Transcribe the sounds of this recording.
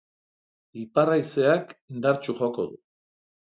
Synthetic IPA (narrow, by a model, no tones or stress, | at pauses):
iparajse̞akind̪aɾt͡ʃuʝo̞ko̞ðu